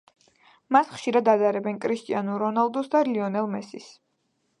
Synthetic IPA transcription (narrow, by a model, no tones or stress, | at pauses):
masχʃiɾad̪ad̪aɾɛbɛnkʰʼɾist̪ʼianuɾɔnalˠd̪ɔsd̪aliɔnɛlˠmɛsis